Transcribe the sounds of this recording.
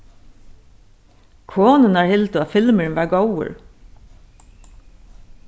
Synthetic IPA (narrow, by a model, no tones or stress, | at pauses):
kʰoːnənɑːɹhɪlt̪ʊɑːfɪlməɹnʋɑːɹɡowə̰ɹ